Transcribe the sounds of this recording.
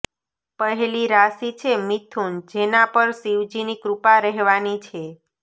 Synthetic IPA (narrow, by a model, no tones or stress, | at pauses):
pəɦeliɾasit͡ʃʰemit̪ʰund͡ʒenapəɾsiʋd͡ʒinikɾupaɾəɦʋanit͡ʃʰe